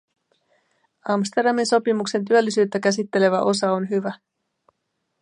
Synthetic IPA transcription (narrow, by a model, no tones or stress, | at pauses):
ɑmst̪e̞rɾdɑminso̞pimukse̞nt̪̬yølːisyːt̪ːækæsit̪ːe̞le̞ʋæʔo̞sɑonɦyʋæ